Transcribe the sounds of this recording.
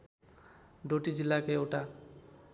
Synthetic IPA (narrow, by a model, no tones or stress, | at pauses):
ɖoʈid͡ʒilːakeewʈa